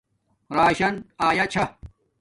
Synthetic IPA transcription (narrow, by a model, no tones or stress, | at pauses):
ɾaːɕɐnaːjɐt͡ɕʰa